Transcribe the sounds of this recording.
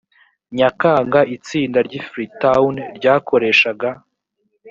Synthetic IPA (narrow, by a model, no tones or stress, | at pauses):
ɲakaːŋɡaʔit͡siːndaɾɟifɾitawnɾɟaːkʰo̞ɾe̞ʃaɡa